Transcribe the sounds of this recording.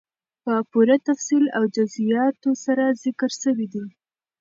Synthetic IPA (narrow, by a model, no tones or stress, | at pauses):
pəpuɾat̪afsilawd͡ʒʊzijɑt̪osaɾazɪkəɾsəwid̪i